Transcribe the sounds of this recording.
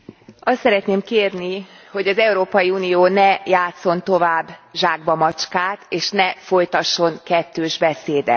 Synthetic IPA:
ɒst̪sɛɾɛt̪neːmkeːrni | ho̞ɟɒzɛuɾoːpɒjiuːnijoːnɛjaːt̪so̞nt̪o̞vaːbːʒaːɡ̚bɒmɒt͡ʃkaːt̪eːʃnɛfo̞jt̪ɒʃːo̞ŋkɛt̪ːøːʒbɛseːd̪ɛ̰t̪

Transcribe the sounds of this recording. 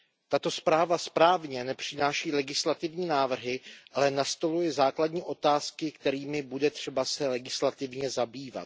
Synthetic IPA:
t̪at̪o̞spɾaːvaspɾaːvɲɛnɛpr̝̥ɪnaːʃiːlɛɡɪslat̪ɪvɲiːnaːvr̩ɦɪʔalɛnast̪o̞lujɛzaːkladɲiːʔo̞t̪aːskɪkt̪ɛɾiːmɪbudɛt̪r̝̥ɛbasɛlɛɡɪslat̪ɪvɲɛzabiːva̰t̪̚

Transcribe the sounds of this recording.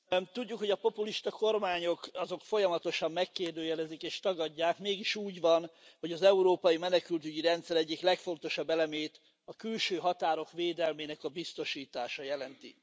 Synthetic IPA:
t̪uɟːukho̞ɟɒpo̞puliʃt̪ɒko̞rmaːɲo̞kɒzo̞kfo̞jɒmɒt̪o̞ʃɒmːɛkːeːrd̪øːjɛlɛzikeːʃt̪ɒɡɒɟːaːkmeːɡiʃuːɟʋɒnho̞ɟɒzɛuɾoːpɒjimɛnɛkylt̪yɟiɾɛnt̪sɛɾɛɟːiklɛkfo̞n̪t̪o̞ʃɒbːɛlɛmeːt̪ | ɒkylʃøːɦɒt̪aːɾo̞kʋeːd̪ɛlmeːnɛkɒbist̪o̞ʃiːt̪aːʃɒjɛlɛnt̪ḭ

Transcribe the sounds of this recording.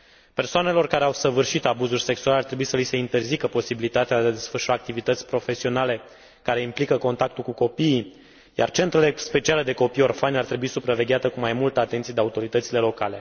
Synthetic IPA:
persoane̞lo̞rkaɾeawsəvɨrʃit̪abuzurʲse̞ksualeart̪ɾe̞buisəlise̞int̪e̞rzikəpo̞sibilit̪at̪ead̪ead̪e̞sfərʃuaːk̚t̪ivit̪ət̪sʲpɾo̞fe̞sio̞nale̞ | kaɾe̞implikəko̞nt̪ak̚t̪ulkuko̞pii | ja̰rt͡ʃe̞nt̪ɾele̞spe̞t͡ʃiale̞d̪e̞ko̞pijo̞rfanʲart̪ɾe̞buisupɾave̞ɡʲeat̪əkumajmult̪əat̪ent̪sijed̪e̞aut̪o̞ɾit̪ət̪sile̞lo̞kale̞

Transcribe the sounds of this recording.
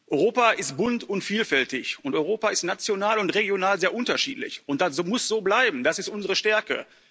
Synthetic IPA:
ʔɔʏʁoːpaʔɪst̚b̥ʊntʊntfiːlfɛltɪçʔʊntɔʏʁoːpaɪstnat͡sjonaːlʊntʁeɡjonaːlzeːɐʔʊntɐʃḭːtlɪ̰çʊnt̚d̥azomʊsz̥oːblaɪbm̩d̥asɪstʔʊnzəʁəʃtɛɐkə̰

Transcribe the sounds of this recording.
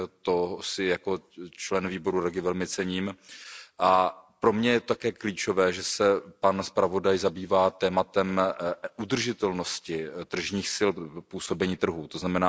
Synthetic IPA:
t̪oɦsɪjako̞t͡ʃlɛnviːbo̞ɾuɾɛɡɪvɛlmɪt͡sɛɲiːmʔapɾo̞mɲɛjɛt̪ot̪akɛːkliːt͡ʃo̞vɛːʒɛsɛpanspɾavo̞dajzabiːvaːt̪ɛːmat̪ɛmʔud̪r̩ʒɪt̪ɛlno̞scɪt̪r̩ʒɲiːxsɪlpuːso̞bɛɲiːt̪r̩ɦuːt̪oznamɛnaː

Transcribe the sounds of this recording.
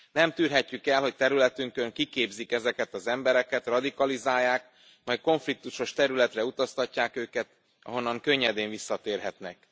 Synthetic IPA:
nɛmt̪yːrɦɛcːykɛlho̞c̚t̪ɛɾylɛt̪yŋkø̞ŋkikeːbzikɛzɛkɛt̪ɒzɛmbɛɾɛkɛt̪rɒd̪ikɒlizaːjːaːk | mɒjko̞ɱflik̚t̪uʃo̞ʃt̪ɛɾylɛt̪rɛut̪ɒst̪ɒcːaːkøːkɛt̪ | ɒ̰ɦo̞nːɒŋkø̞ɲːɛd̪eːɱvisːɒt̪eːrɦɛt̪nɛk̚

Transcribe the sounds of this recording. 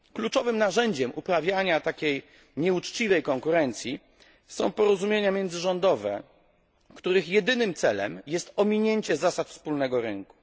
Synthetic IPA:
klut͡ʂɔvɘmnaʐɛɲd͡ʑɛmʔupɾavʲjaɲat̪akʲej | ɲɛut͡ʂt͡ɕivɛjkɔŋkuɾɛnt̪sʲji | sɔ̃w̃pɔɾɔzumʲjeɲamʲjɛnd̪zɘʐɔnd̪ɔvɛ̰ | kt̪uɾɘxjɛd̪ɘnɘmt̪sɛlɛ̰mjɛst̪ɔmʲiɲeɲt͡ɕɛzasat̪fspulnɛɡɔɾɘŋku̥

